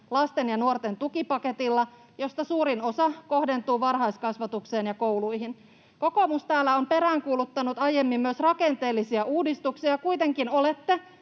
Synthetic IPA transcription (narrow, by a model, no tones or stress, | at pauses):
lɑst̪enjɑnuort̪ent̪ukipɑke̞t̪ilːɑ | jo̞st̪ɑsuːɾino̞sɑko̞hde̞nt̪uːʋɑrɦɑiskɑsʋɑt̪ukse̞ːnjɑkowluiɦin | ko̞ko̞must̪æːlːæompe̞ɾæːŋkuːlut̪ːɑnut̪ɑjemːimːmyøsrɑkent̪e̞ːlːisiæʔuːdist̪uksiɑkujt̪e̞ŋkino̞let̪ːe